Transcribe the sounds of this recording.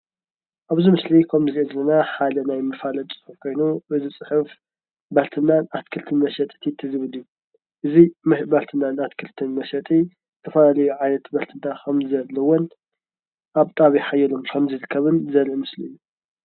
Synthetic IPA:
ʔaβzimɨslikʰɐmzɨziezɐlːɐnaħad̪ɐnajmɨfalɐt͡sʼɨ̥ħɨfkʰo̞jnuɨzɨt͡sʼɨħɨf | bɐlt̪ʰɨnːanʔat̪kʰɨlt̪ʰɨnmɐʃɐt̪ʼi̥t̪ʰit̪ʰɨzɨβɨlɨju | ʔɨzimɐbɐlt̪ʰɨnːanat̪kʰɨlt̪ʰɨnmɐʃɐt̪ʼi | zɨt̪ʰɐfɐlalɐjuʕajnɐt̪bɐlt̪ʰɨnːaxʰɐmzɐlːɐwɔn | ʔaβt̪ʼaβiħajɛlomkʰɐmzɨɾɨkʰːɐβɨnzɐɾʔɨmɨsliɨjːu

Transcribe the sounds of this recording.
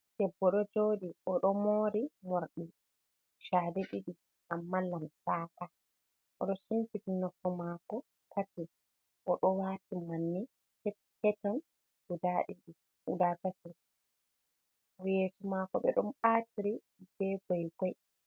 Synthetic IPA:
d̥ɛbːɔɗɔd͡ʒoːɗiʔɔɗɔmoɾimoɾɗi | ʃaːdɛɗiɗi | ʔamːalːamsaːka | ʔɔ̰ɗɔsuntitinɔkːɔmaːkɔ | tʰati | ʔɔɗɔwaːtimanːi | hɛ | hɛtɔn | hudaɗiɗi | ʔudatati | ɔjeːsumakɔɓɛ̰ɗɔmɓaːtiɾi | b̥ɛɡɔjɡɔj

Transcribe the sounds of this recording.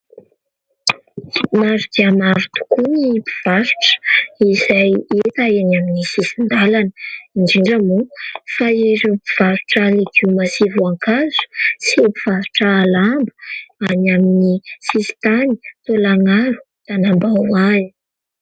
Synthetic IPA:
mazud̪iamaɾu̥t̪u̥kunipi̥v̥asu̥ʈ͡ʂə̥izajet̪aenaminisisind̪alanəiɳɖ͡ʐiɳɖ͡ʐamufaeɾupiv̥asu̥ʈ͡ʂaleɡumasivuaŋkazu̥sipiv̥asu̥ʈ͡ʂaːlambəanaminisisi̥t̪anit̪olaŋaɾu̥ | t̪anambawaji

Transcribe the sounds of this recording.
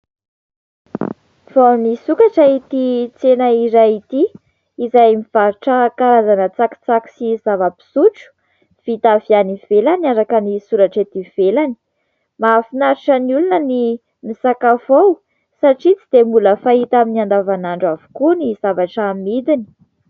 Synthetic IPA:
v̥awnisukaʈ͡ʂait̪it͡senaiɾajit̪iː | zajmiv̥aɾuʈ͡ʂəkaɾazanət͡saki̥t͡saki̥sizavəpi̥suʈ͡ʂu̥ | v̥it̪avjaniv̥elaniaɾakənisuɾaʈ͡ʂet̪iv̥elani̥ | mafinaɾiʈ͡ʂəniulunəni | misakavow | saʈ͡ʂit͡sid̪emuləfait̪aminiand̪avanaɳɖ͡ʐavu̥kunizavaʈ͡ʂaminid̪ini̥

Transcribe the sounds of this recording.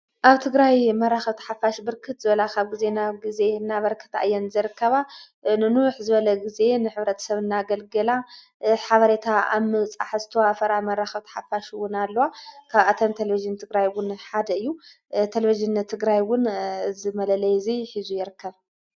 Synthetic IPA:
ʔaβt̪ʰɨɡɾajmɐraxɐβt̪ʰɐ̥ħafaʃbɨɾkʰɨt̪zɨβɐlakʰaβɡize̞naɡize̞ɨnːaβɐɾkʰɨ̥t̪a̰jːɛnzɨɾɨkːɐβa | nɨnuħzɨβɐlɐɡize̞nɨħɨβɾɐt̪ʰɐ̥sɐβɨnːaɡɐlɡɐla | ħaβɐɾet̪ʰaa̰mɨt͡sʼa̰ħzɨt̪ʰɐwafɐɾamɐraxɐβt̪ʰɐ̥ħafaʃwʊnalːɐwakʰaβʔat̪ʰɐmt̪ʰeleviʒɨnt̪ʰɨɡɾajwʊnħad̪ɐɨjːu | t̪ʰeleviʒɨnt̪ʰɨɡɾajwʊnzɨmɐlɐlɐjziħizujɪɾɨkːɐβ

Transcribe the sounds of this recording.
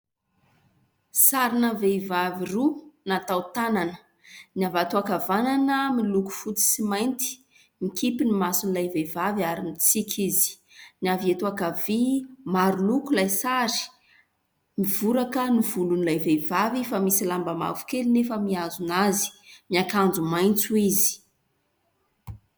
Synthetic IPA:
saɾinaveivavirunat̪awt̪ananə̥ | niavat̪uakavananəmiluku̥fut͡si̥simajnt̪i̥ | mikipinimasunilajvevaviaɾinit͡sikʰizi̥ | niaviet̪uakavimaɾulukulajsaɾi̥ | miv̥uɾakənivulunilajvevavifamisilambama̰vu̥kelinefəmiazunazi̥miakand͡zumajnt͡suizi̥

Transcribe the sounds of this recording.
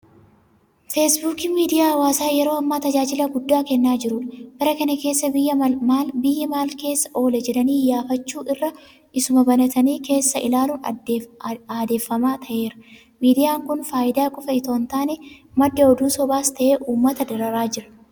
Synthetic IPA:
fesbuːkiːmiːd̪ɪjaːɐwaːsaːjɛɾo̞ːɐmːaːt̪ɐd͡ʒaːd͡ʒɪlɐɡʊd̪ːaːkɛnːaːd͡ʒɪɾʊnb̥ɐɾɐkɐnɐke̞ːsːɐjːɐmaːlbɪjːɐmaːlke̞ːsːɐ̥ʔo̞ːlɛd͡ʒɛlɐniːjaːfɐt͡ʃːuːʔɪrːɐ | ʔɪsʊmɐbɐnɐt̪ɐniːke̞ːsːɐʔɪlaːluːn | aːd̪e̞ːfːɐmaːt̪ʰɐʔe̞ːɾɐ | miːd̪ɪjaːŋkʊnfaːʔɪd̪aːkʼɔfɐɪt̪oːnt̪aːnɛmɐd̪ːɐɔd̪uːsɔbaːst̪ɐʔeːʔuːmːɐt̪ɐd̪ɐɾɐɾaːd͡ʒɪɾɐ̥

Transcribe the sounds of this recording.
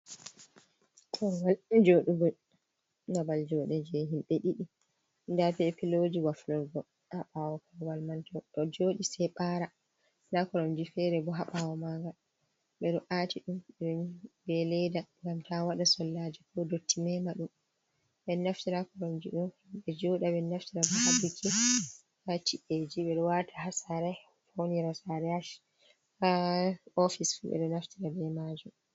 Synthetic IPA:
tʰɔwald͡ʒoɗuɡɔj | nabald͡ʒɔɗɛd͡ʒɛɦimɓɛɗiɗi | ndapiɛpilod͡ʒiwaflɔɾɡɔ | haɓawɔkɔwalmantɔɗɔd͡ʒoːɗisɛɓaɾa | lakɔɾɔmd͡ʒifɛɾɛbɔɦaɓawɔmaɡal | ɓɛɗɔʔatʰiɗumɛɔɲbɛlɛdaŋɡamtawaɗasɔlːad͡ʒikɔdotːimɛmaɗum | ɓɛnaftiɾakɔɾɔmd͡ʒiɗum | ɓɛd͡ʒɔɗaɓɛnaftiɾabɔhabukʰi | at͡ʃiʔed͡ʒiɓɛɗɔwatʰaɦasaɾɛ | foniɾasaɾɛaʃ | aɔfisfṵɓɛ̰ɗɔnaftiɾadɛmad͡ʒum

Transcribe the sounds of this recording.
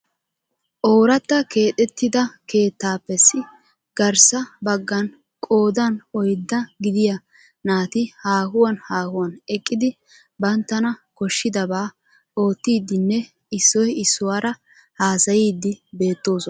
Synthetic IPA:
ʔo̞ːɾɐt̪ːɐke̞ːt̪ʼɛt̪ːɪd̪ɐkʰe̞ːt̪ːaːpːɛsɪ | ɡ̥ɐɾsɐbɐɡːɐn | kʼo̞ːd̪ɐnɔjd̪ːɐɡɪd̪ɪjɐ | naːt̪ɪhaːhʊwɐnhaːhʊwɐnɛkʼːɪd̪ɪ | bɐnt̪ːɐnɐkɔʃːɪd̪ɐbaː | o̞ːt̪ːiːd̪ːɪnːɛ | ɪsːɔjɪsːʊwaːɾɐ | haːsɐjiːd̪ːɪbe̞ːt̪ːo̞ːsɔn

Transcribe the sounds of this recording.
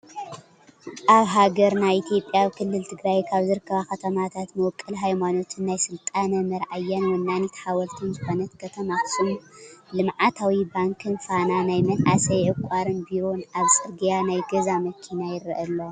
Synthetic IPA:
ʔaβɦaɡɐɾnajit̪ʰjo̞pʼjawkʰɨlːɨlt̪ʰɨɡɾajkʰaβzɨɾɨkʰːɐβaxɐt̪ʰɐmat̪ʰat̪mɐwɔkʼːɨlɦajmano̞t̪ʰɨnːajsɨlt̪ʼanɐmɐɾʕajːanwɔnːanjit̪ʰħawɐlt̪ʰunzɨxo̞nɐt̪kʰɐt̪ʰɐmaxɨ̥sʼɨmulɨmʕat̪ʰawibaŋkʰɨnfananajmɐlʕa̰sɐjʕɨkʷʼaɾɨnbiɾo̞naβsʼɨɾɡijanajɡɐzamɐkʰinajɪɾɐʔɐlːo

